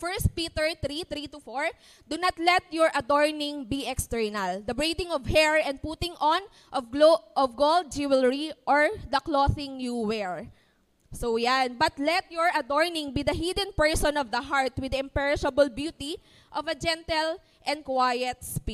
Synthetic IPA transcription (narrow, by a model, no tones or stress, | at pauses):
fɛɹst̪̚pit̪ɛɹt̪ɾit̪ɾit̪ufoɹ | d̪ʊnat̪lɛt̪̚jɔɹʔɐd̪ɔɹnɪ̃ŋbiɛkst̪ɛɹnɐld̪ɐbɹid̪ɪ̃ŋɔvhɛɹɛ̃nd̪̚put̪ɪŋʔɔn | ʔɔvoʔɔvɡold̪̚d͡ʒiwɛlɹiʔɔɹd̪ɐkloθɪ̃ŋjuwɛɹ | sowjanbɐt̪lɛt̪̚jɔɹʔɐd̪ɔɹnɪ̃ŋbid̪ɐɦid̪ə̃npɛɹsɔ̃nɔvd̪ɐɦaɹt̪wɪd̪ɐɪ̃mpɛɹɪʃɐbəlbjut̪i | ʔɔvɐd͡ʒɛ̃nt̪ɛl | ʔɛ̃n̚kwajɛt̪̚spi